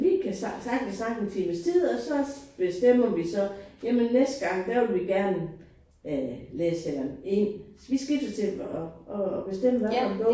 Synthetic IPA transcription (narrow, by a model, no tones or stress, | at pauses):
ʋikʰæsɑ̥sɑ̈ɡ̥kʰæsɑ̈ŋ̥fʰiməst͡sʰið̩̰ˠɒ̽sɒ̽b̥e̝sd̥em̰ɐʋisɒ̽jæmənːesd̥̚ɡ̥ɑ̈ŋ̰d̥æʋe̝lʋiɡ̥æɐn | leːselɐme̝n̰sʋisɡ̥id̥ət͡sʰe̝lɒɒb̥e̝sd̥em̰əʋæfɒɡ̥ɔ